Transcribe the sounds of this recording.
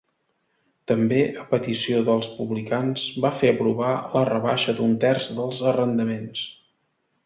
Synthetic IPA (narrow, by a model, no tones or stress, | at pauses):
t̪əmbeʔəpət̪isioðəlˠspuβlikanz̥bafeəpɾuβ̞alərəβaʃəd̪unt̪ɛrzðəlˠzərənd̪əmens